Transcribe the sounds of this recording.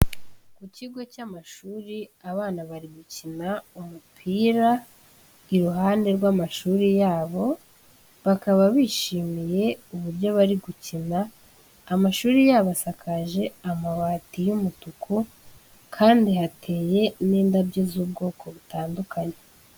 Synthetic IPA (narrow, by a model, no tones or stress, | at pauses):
kuciɡo̞camaʃuːɾiaβaːnaβaɾiɡucinaumupʰiːɾa | iɾuɦaːnde̞ɾɡwamaʃuːɾijaːβo̞ | βakaβaβiːʃiːmije̞uβuɾɟo̞βaɾiɡucinaː | maʃuːɾijaːβasakʰaʒe̞amaβaːtijumutukʰu | kʰaːndihatʰe̞ːje̞niːndabɟezuːb̚ɡo̞ːko̞βutaːndukʰaɲe̞